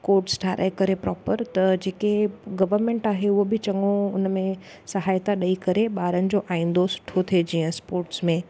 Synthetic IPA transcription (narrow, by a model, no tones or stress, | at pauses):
koːɾʈsʈʰaːɾʔa̰ːekɐɾepɾɔːpəɾt̪ɐd͡ʑeːkeɡɐʋəɾmẽːɳʈaːɦeʊɦobɪt͡ɕɐŋoʊnmẽ | sɐɦaːjt̪aɗɐikɐɾeɓaːɾənɪ̆d͡ʑoʔaːĩːn̆d̪osʊ̥ʈʰot̪ʰed͡ʑiːə̃spoːɾʈsmẽ